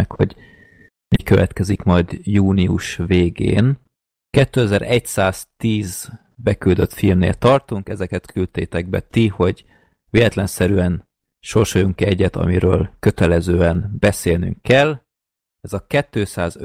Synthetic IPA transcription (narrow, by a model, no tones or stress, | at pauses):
ɛkho̰ɟ | mikøvɛ̰t̪kɛzikmɒjd̪juːniuʃveːɡḛːn | kɛt̪ːøːɛzɛɾʔɛcsaːz̥t̪iːz | bɛkyld̪ø̞t̪filmnḛːlt̪ɒrt̪uŋkɛzɛkɛt̪kʰylt̪eːt̪ɛɡ̚bɛ̰t̪iho̞ɟ | veːlɛt̪lɛnsɛɾyɛn | ʃo̞rʃojuŋkɛɟːɛt̪ɒ̰miɾøːlkø̞t̪ɛlɛzøːɛnbɛseːlny̰ŋkːɛl | ɛzɒkɛt̪ːøːsaːz